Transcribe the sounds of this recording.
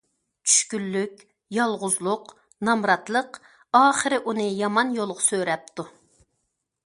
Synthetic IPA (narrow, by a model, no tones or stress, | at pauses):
t͡ʃʰy̥ʃkʲylːykʲ | jɑlˠʁʊzlˠʊq | nɑmɾɑt̪lˠəq | ɑːχəɾɪʔunɨjɑmɑnjolˠʁʊsøɾɛp̚t̪ʰu